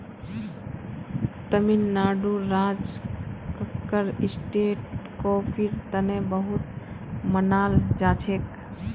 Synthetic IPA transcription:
t̪əminːaːɖuɾad͡ʒkəkːəɾisʈeːʈ̚kopʰiɾt̪ənẽbəɦut̪̚ | mənaːld͡ʒaːt͡ʃʰek

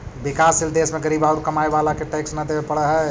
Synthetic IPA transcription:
bikasild̪esmeɡəɾibaɾkəmaebalakeʈɛksnəd̪ebepəɽəɦɛ

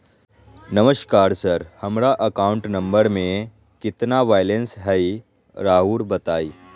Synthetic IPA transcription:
nəməɕkaːɾsəɾhəmɽaʔəkauɳʈnəmbəɾmẽ | kit̪naʋajlensɦəj | ɾaɦuːɽbət̪aːi

